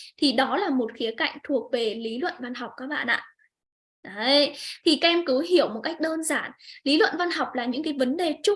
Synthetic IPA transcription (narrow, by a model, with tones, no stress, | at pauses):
t̪ʰi˨˩ɗɔ˨˦laː˨˩mo˨˩t̚xi˨˦əka̰˧˨jŋ̟t̪ʰu˨˩ək̚ve˨˩li˨˦lwə̰˧˨nva˧nɦa˨˩wk͡p̚kaː˦˥k̚ɓa̰ː˧˨nʔa̰ː˧˨ | ʔa˨˦jt̪ʰi˨˩ka˧ʔɛ˧mkɨ˨˦ɦi˧˩əwmo˨˩t̚ka˦˥jk̟̚ɗəː˧nzaː˧˩nli˨˦lwə̰˧˨nva˧nɦa˨˩wk͡p̚laː˨˩ɲɨ̰˧˥ŋkaː˨˦jvə˨˦nɗe˨˩t͡ɕʊ˦˥